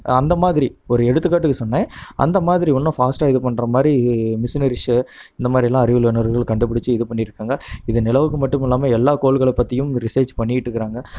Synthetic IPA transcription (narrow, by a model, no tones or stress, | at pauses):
ɐnd̪ɐmaːðɪɾiɔɾɯɛɽɯt̪ːɯkːaːʈːɯkːɯsɔnːẽːɐ̰nd̪ɐmaːðɪɾiɔnːɐ̃faːsʈaːɪðɯpɐɳːɾɐmaːd̪ɾimɪsnɐɾɪʂɯɪnd̪ɐmaːd̪ɾɪjɛlːãːɐɾɪʋɪlʋɐnɐɾɣɐɭkɐɳɖɯp̬ːɐɽɪt͡ʃːɯɪðɯpɐɳːɪɾɯkːaːŋɡɐɪðɯnɪlɐʋɯkːɯmɐʈːɯmɪlːaːmɐɛlːaːkoːɭɣɐɭɐpːɐt̪ːɪjɯ̃mɾɪsɐɾt͡ʃpɐɳːɪɪʈːɯkːɪɾaːŋɡɐ